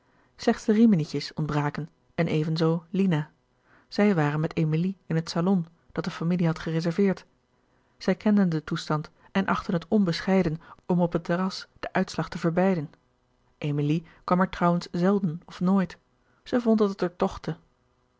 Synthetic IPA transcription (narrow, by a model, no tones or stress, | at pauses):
slɛχtsdərimənicəsɔnd̚braːkən | ɛnʔejvənzoːlina | z̥ɛjʋaːrənmɛtejmiliɪnɦətsalɔn | d̥ɑt̚dəfamiliɦɑtχərezɛɹvɪːɹt | z̥ɛjkɛndəndətustɑnt | ɛnʔɑχtənɦətɔnbəsχɛjdənɔmɔpətərɑsd̥əʔœɥtslɑχtəvəɹbɛjdən | ʔejmilikʋɑmɛɹtrɑwənsz̥ɛlˠdənɔfnoːjt | z̥əvɔndəntəɹtɔχtə